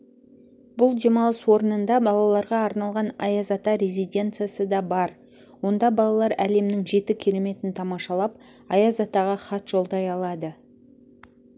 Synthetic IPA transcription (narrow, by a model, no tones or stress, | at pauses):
bʊlˠd̪ʲe̞mɑlˠəswo̞ɾənənd̪ɑbɑlˠɑlˠɑɾʁɑːɾnɑlˠʁɑnɑjɑzɑt̪ɑɾʲe̞zʲijd̪ʲe̞nt̪sɨjasəd̪ɑbɑɾ | wo̞nd̪ɑbɑlˠɑlˠɑɾæle̞mnɪŋʒe̞t̪ɪkʲʰe̞ɾe̞me̞t̪ɪnt̪ʰɑmɑʃɑlˠɑp̚ | ɑjɑzɑt̪ɑʁɑχɑt̪ʒ̥o̞lˠd̪ɑjɑlˠɑd̪ə